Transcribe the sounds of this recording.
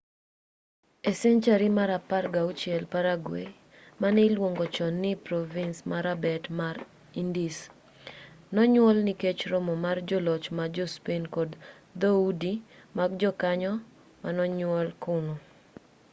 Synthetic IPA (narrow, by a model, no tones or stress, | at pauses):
ɛsɛnt͡ʃaɾimaɾaparɡaʊt͡ʃjɛlpaɾaɡwḛ | manɪlwoŋɡɔt͡ʃɔnːɪpɾɔvinsmaɾabɛtmaɾ | indis | nɔɲwɔlniket͡ʃɾɔmɔmard͡ʒɔlɔt͡ʃmad͡ʒɔspenkɔd | d̪oudimaɡd͡ʒɔkaɲɔ | manɔɲwɔlkʊnɔ